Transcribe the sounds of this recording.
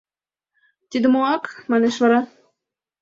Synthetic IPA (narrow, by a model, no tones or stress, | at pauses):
t̪ʲid̪ɘ̆moɑkmɑneʃvɑɾɑ